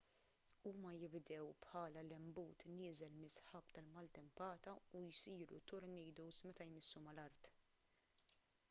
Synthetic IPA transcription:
uːmɐjɪbd̪ɛwpħɐːlɐlɛmbuːt̪nɪːzɛlmɪsħɐpt̪ɐlmɐlt̪ɛmpɐːt̪ɐujsiːɾṵt̪ɔɾnɛjd̪uwsmɛt̪ɐjmɪsːumɐlɐɾt̪

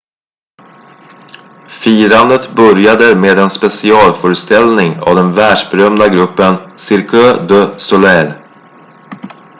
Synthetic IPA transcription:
fiːɾand̪ət̪bœɾjad̪əmeːd̪ɛnspɛsɪɑːlfœːɾəst̪ɛlnɪŋa̰vd̪ɛnvæːɖʂbɛɾœmd̪aɡɾɵpːənsɪɾkøːd̪øsɔlɛɾ

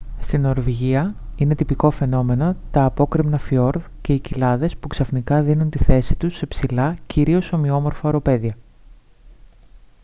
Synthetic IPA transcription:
st̪ino̞ɾviʝiɐine̞t̪ipiko̞fe̞no̞me̞no̞t̪ɐːpo̞kɾimnɐfio̞ɾð | ce̞icilɐðe̞spuksɐfnikɐðinunt̪iθe̞sit̪usepsilɐciɾio̞so̞mio̞mo̞ɾfɐoɾo̞pe̞ðiɐ

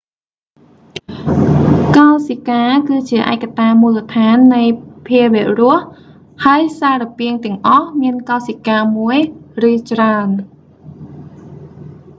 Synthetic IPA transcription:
kaɔsikaːkɨːt͡ɕiəʔaɛkːat̪aːmuːlət̪ʰaːnːɨjpʰiəʋɛ̆əʔrʊ̆əh | haəjsaːrɑpiəŋt̪ɛ̆əŋʔɑhmiənkaɔsikaːmuəjrɨːt͡ɕraən

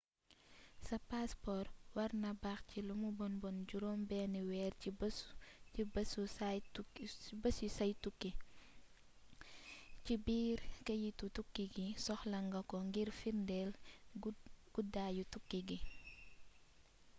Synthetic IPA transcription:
sɐpaspɔɾwɐɾnɐbaxcilumubɔnbɔnɟuɾɔːmbɛːniwɛːri | ibɐsu | bɐsjusɐjtukːi | cibiːɾkɐjitutukːiɡisɔxlɐŋɡɐkɔŋɡiɾfirndɛl | ɡ̥udajutukːiɡi

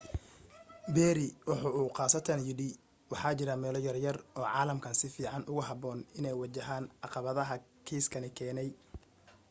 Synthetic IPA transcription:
bɛːɾɪwʊħʊːuːqɑːsɐt̪ʰɐnjɪɽɪ | wɑħɑːt͡ʃɪɾɐmɛːlɔjɐrjɐrɔːʕɑːlɐmkʰɐnsɪfiːʕɑnʔʊɣʊɦɑbɔːnɪnɛjwɑt͡ʃɐɦaːnʕɑqɑβɐðɐɦɐkʰiːskʰɐnɪkʰɛːnɛj

